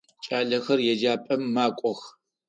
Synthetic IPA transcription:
t͡ʃʼaːɮɐxɐrjɛd͡ʒaːpʼɐmːaːkʷʼɔx

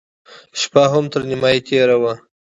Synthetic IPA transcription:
ʃpaɦamt̪əɾnɪmɑjit̪ʰeɾawa

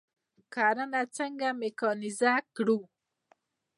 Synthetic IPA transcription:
kaɾanat͡səŋɡamekɔnizakɽu

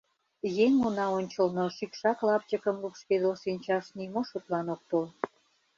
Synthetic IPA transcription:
jeŋonɑonʲt͡ɕəlnoʃikʃɑklɑp̚t͡ɕəkəmlupʃked̪loʃinʲt͡ɕɑʃnimoʃot̪lɑnok̚t̪ol

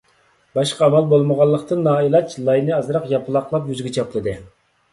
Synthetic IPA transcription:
bɑʃqʰɑːmɑlˠbolˠməʁɑlˠːəqt̪ɨnːɑːilˠɑt͡ʃʰlˠɑjnɨɑzɾɑqjɑpɨlˠɑqlˠɑpjyzɡʲɛt͡ʃʰɑplˠɨd̪ɨ

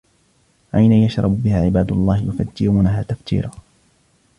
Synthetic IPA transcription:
ʔajnajaʃɾˤɑbbɪhaːʕɪbaːd̪ʊlˤːɑːhɪjʊfa̰d̪ːɪɾuːnaɦaːt̪aft̪ḭːɾaː

